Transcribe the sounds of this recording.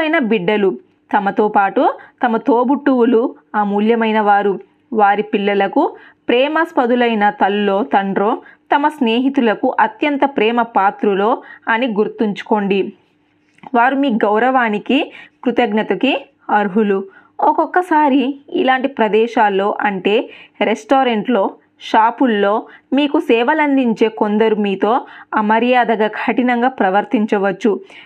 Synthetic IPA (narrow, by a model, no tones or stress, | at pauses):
ɐjnɐbiɖːɐlu | t̪ɐmɐt̪o̞ːpaːʈut̪ɐmɐt̪oːbuʈːuwulu | aːmuːljɐmɐjnɐʋaːɾu | ʋaːɾipilːɐlɐku | pɾɛːmɐspɐd̪ulɐjnɐt̪ɐlːo̞ːt̪ɐɳɖɾo̞ːt̪ɐmɐsneːɦit̪ulɐkuʔɐt̪jɐnt̪ɐpɾɛːmɐpaːt̪ɾulo̞ːɐniɡuɾt̪ːiɲt͡ʃu̥ko̞ɳɖi | ʋaːɾumiːɡɐwɾɐʋaːnikikɾut̪ɐɡnɐt̪ɐki | ɐɾɦulu | ɔkɔkːɐsaːɾiḭlaːɳʈipɾɐd̪ɛːʃaːlːo̞ːʔɐɳʈe̞ːɾesʈoːɾeɳʈlo̞ː | ʃaːpulːo̞ːmiːkusɛːʋɐlɐnd̪iɲt͡ʃe̞ːko̞nd̪ɐɾumiːt̪o̞ːɐmɐɾjaːd̪ɐɡaːɡʰɐʈinɐŋɡaːpɾɐʋɐɾt̪iɲt͡ʃɐʋɐt͡ʃːu